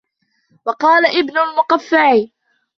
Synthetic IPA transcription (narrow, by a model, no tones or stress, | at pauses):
wɑqɑːlaʔɪbnʊlmʊqafːaʕiː